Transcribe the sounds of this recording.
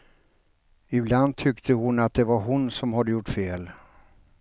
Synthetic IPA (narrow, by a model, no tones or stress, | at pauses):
ɪbland̪̚t̪ʰʏkt̪ʰəhʊnat̪̚d̪ɛvaɾɦʊnsɔmɦad̪ːəjʊʈːfeːl